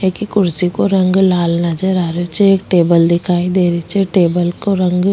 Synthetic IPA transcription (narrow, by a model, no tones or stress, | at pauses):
ɦɛkikʊɾsikoɾə̃ŋɡlaːlnəd͡ʒəɾaːɾot͡ʃeeːkʈeːbəld̪ɪkʰaːid̪eːɾit͡ʃeʈeːbəlkoɾə̃ŋɡ